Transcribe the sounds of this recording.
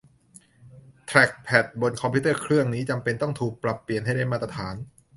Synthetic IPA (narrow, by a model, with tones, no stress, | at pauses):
t̪ʰɾɛ˨˩k̚pʰɛ˨˩t̪̚bo˨˩nkʰɔ˧pʰi˦˥t̪ɤː˥˩kʰɾɯ˥˩əŋniː˦˥t͡ɕa˧mpe˧nt̪ɔ˥˩ŋt̪ʰuː˨˩k̚pɾa˨˩pːi˨˩ənɦa˥˩jda˥˩jmaː˥˩t̪ɾa˧t̪ʰaː˩˦n